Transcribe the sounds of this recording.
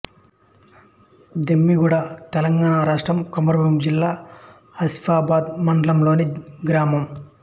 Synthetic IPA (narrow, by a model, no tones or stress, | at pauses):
d̪emːiɡuɽat̪ɛlɐŋɡaːɳaːɾaːʂʈɾɐmkomɐɾɐbɐmd͡ʒilːaː | ɐspaːbaːd̪mɐɳɖɐlɐmlo̞ːniɡɾaːmɐm